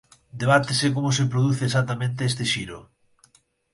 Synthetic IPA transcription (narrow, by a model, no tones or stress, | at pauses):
d̪eβ̞at̪esekomosepɾoðuθeːs̬at̪ːamẽnt̪eest̪eʃiɾo